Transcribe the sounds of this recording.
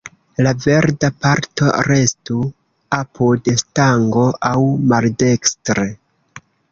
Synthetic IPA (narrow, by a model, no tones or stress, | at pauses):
lave̞ɾdapaɾto̞̰ɾe̞stu | apʰudstaŋɡo̞ʔawmalde̞kstɾe